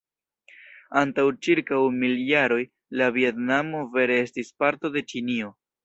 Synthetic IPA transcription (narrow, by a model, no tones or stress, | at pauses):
antawt͡ʃiɾkawmiljaɾo̞j | lavie̞tnamo̞ve̞ɾe̞e̞stispaɾto̞de̞t͡ʃinio̞